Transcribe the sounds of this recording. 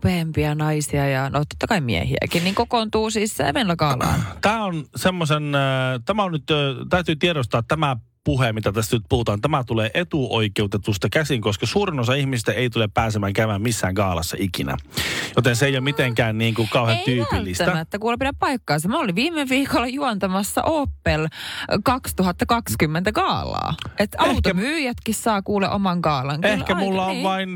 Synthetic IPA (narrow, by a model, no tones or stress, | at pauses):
peːmpiɑnɑisiɑjɑno̰t̪ot̪ːɑkɑimiæ̰hḭæ̰kinniːŋkokont̪uːsiːsːæḛʋenlækɑːlɑ̰ːnt̪æːonsemːosent̪æmæonnyt̪ːt̪æyt̪yːt̪ieɾost̪ɑːt̪tːæmæ | puhemit̪æt̪æst̪nyt̪̚puhut̪ɑːnt̪æmæt̪uleːʔet̪uʔoikeut̪et̪ust̪ɑkæsiŋkoskɑsuːɾinosɑihmisist̪æeit̪uleppæːsemæːŋkæymæːmmisːæːŋkɑːlɑsːɑ̰ikinæ̰jot̪enseejomit̪eŋkæːnniːŋkukɑuhet̪ypilːisæt̪ænːæet̪ːækulpidæppɑikːɑːnsɑmoliʋʋiːmːeʋiːkolːɑjuont̪ɑmɑsːɑ̰ʔoːpːelkɑkst̪uhɑt̪ːɑkɑkskymːent̪ækɑːlˑɑ̰ːʔet̪ɑeut̪omyːjæt̪kissɑːkuːleʔomɑŋkɑːlɑŋkehlkæmulːɑoʋʋɑin